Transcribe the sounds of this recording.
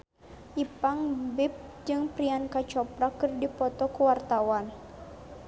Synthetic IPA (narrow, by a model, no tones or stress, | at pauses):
ʔipaŋbɪp̚d͡ʒɨŋpɾiankat͡ʃɔpɾakɨrdipɔt̪ɔkuwart̪awan